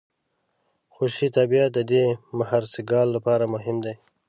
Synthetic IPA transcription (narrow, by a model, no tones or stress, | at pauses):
xoʃit̪abijat̪̚d̪əd̪emahaɾsɪɡɑlːapɑɾamʊɦɪmd̪aj